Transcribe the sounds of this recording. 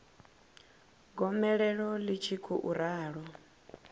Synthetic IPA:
ɡɔmɛɺɛɺɔlit͡ʃʰikʰuʔuɾaːɺɔ

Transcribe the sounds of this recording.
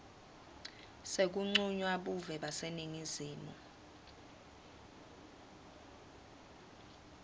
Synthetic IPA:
sek̬uŋ͡ǀuɲwaɓuvɛɓaseniŋiziːmu

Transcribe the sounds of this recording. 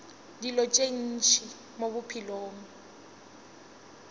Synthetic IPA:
dilɔt͡ʃʼen̩t͡ʃʰi | moβʊpʰiloːm̩

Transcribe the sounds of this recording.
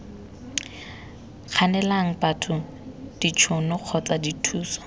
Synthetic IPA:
q͡χʰanɛlaŋ̩patʰʊ | d̥it͡ʃʰʊnʊq͡χʰɔt͡saditʰuːsɔ̥

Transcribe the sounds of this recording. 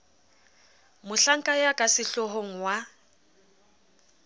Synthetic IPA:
mʊɬaŋ̩kʼajakʼasɪɬɔɦoŋ̩wa

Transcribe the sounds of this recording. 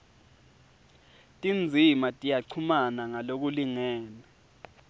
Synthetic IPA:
tʼind͡zʱimatʼijaǀʰumanaŋalok̬uliŋɛːnɛ

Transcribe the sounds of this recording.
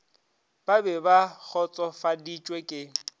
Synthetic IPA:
b̥abɛbak͡xʰɔt͡sʼɔfadit͡ʃʼwɛkʼɪ

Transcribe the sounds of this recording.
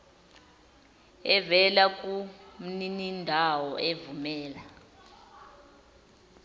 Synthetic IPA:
ɛvɛlak̬ʼum̩ninindʱawɔʔevumɛːla

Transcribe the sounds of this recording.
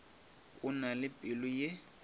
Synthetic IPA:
ʊnalɪpʼɪlʊjɪ

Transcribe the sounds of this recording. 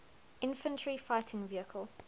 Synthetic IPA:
ʔɪ̃nfə̃ntʰɹifaɪtʰɪ̃ŋviəkʰəlˠ

